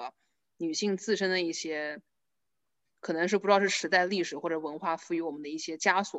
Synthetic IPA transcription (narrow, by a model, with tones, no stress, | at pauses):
ny˨˩ɕi˥˧ŋt͡sɹ̩˥˩ʂə˥nd̪ə˨˧i˥˩ɕjɛ˥ | kʰɤ˨˩nɤ˧˥ŋʂɻ̩˥˩pu˧˥ɻ̩˥˧ʂɻ̩˥˩ʂɻ̩˧˥t͡sa˥˧ɪli˥˩ʂɻ̩˨˩xwɔ˥˩ʈ͡ʂɤ˧˥wə˧˥nxwa˥˩fu˥˩y˧˥wɔ˨˩mə˦nd̪ə˧i˥˩ɕjɛ˥t͡ɕja˥swɔ˨˩˦